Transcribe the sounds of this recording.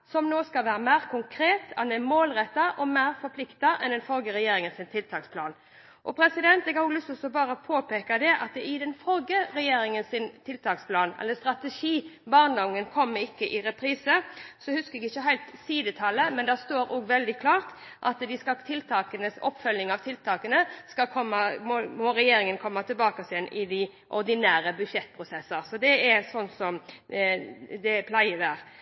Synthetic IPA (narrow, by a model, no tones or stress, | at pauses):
sɔmnoːskɑlʋæːɾəmæɪʁkʰʊŋkʰɾeːt̪ɑ̰nɛmoːlʁɛt̪ːɑʔɔmæɪɾfɔpʰlɪkt̪ɑʔɛ̰nd̪ɛnfɔlɡəɾɛjeːɾɪŋənsɪnt̪ʰɪlt̪ʰɑːkspʰlɑːn | ʔɔpʰɾɛsɪd̪ɛnt̪ɛɡɑuːɡlʏst̪ɔsɔbɑːɾəpʰoːpeːkɑd̪ɛʔɑ̰t̪̚d̪ɛɪd̪ɛnfɔlɡəɾɛjeːɾɪŋənsɪnt̪ʰɪlt̪ʰɑːkspʰlɑːnɛ̰lːəst̪ɾɑt̪əʂiːbɑːʁnɔŋːənkʰɔmːɪkːəʔɪɾɛpʰɾiːsəsɔhʉskəɾɛɡɪçːəɦæɪt̪siːd̪ət̪ʰɑlːəmɛnd̪æst̪oːɾʔɔɡʋɛld̪ɪkʰlɑːʁt̪ | ʔɑt̪d̪ɪskɑt̪ʰɪlt̪ʰɑːkənəsɔ̰pːfœlnɪŋɑʋt̪ʰɪlt̪ʰɑːkənəskɑkʰɔmːɑmɔmɔɾɛjeːɾɪŋənkʰɔmːɑt̪ʰɪlbɑːkɑsɪɛnɪd̪ɪ | ʔɔɾd̪ɪnæːɾəbʉʃɛt̪ːpʰɾʊsɛsːəɾsɔd̪ɛɛɾsɔnsɔm | d̪ɛpʰlæɪəd̪æːɾ